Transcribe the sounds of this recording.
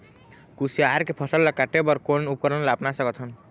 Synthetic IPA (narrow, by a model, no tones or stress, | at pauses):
kusiaɾkepʰɔsəlːakaʈebəɾkonup̚kəɾənlapnasəkət̪ɦən